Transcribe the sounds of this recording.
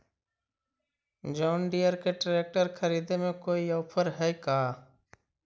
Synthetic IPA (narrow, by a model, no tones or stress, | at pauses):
d͡ʒɔːnɖijəɾkeɖɾeːk̚ʈəɾkʰəɾiːd̪emẽkoːiɔːpʰəɾɦɛikaː